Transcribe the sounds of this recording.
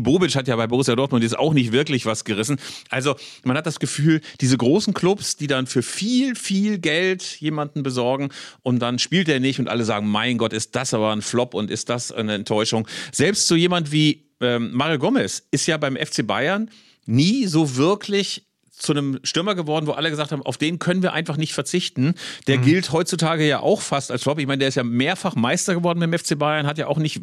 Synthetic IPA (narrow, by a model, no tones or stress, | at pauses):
boːbɪt͡ʃhatjaːbaɪboʁ̞ɪsjadɔɐtmʊntjɛt͡sta̰ʊxnɪç̬tv̥ɪɐklɪçv̥asɡ̥əʁɪsn̩ʔalzomanhat̚d̥asɡ̥əfyːld̥iːzəɡʁoːsn̩kʰl̥ʊpsd̥iːdanfyːɐfiːlfiːlɡɛltjeːmandn̩bəzɔɐɡŋ̩ʔʊnt̚d̥anʃpiːlteːɐnɪçtʊntʔa̰ləzaːɡŋ̩maɪnɡɔtɪst̚d̥asʔaːbɐnflɔpʊntɪstd̥asnəɛntʰːɔʏʃʊŋz̥ɛlpstz̥oːjeːmantv̥iː | ʔɛːmmaːʁjoɡɔmɛsʔɪstjaːbaɪmʔɛ̰ft͡seːba̰ɪɐnː | iːzoːvɪɐkʰlɪç | t͡sunəmʃtɪmɐɡəvɔɐdn̩voːʔaləɡəzaːkthaːbmaʊfd̥eːnkʰœnənviːɐʔaɪnfaχnɪçtfɛɐt͡sɪçtn̩d̥eːɐɡɪlthɔʏtt͡sutʰaːɡəjaːʔa̰ʊxfastalsflɔpʔɪçmaɪndeːɐɪstjaːmeːɐfaχmaɪstɐɡəvɔɐdn̩bɪaɪmʔɛft͡seːbaɪɐnɦatjaːʔaʊxnɪç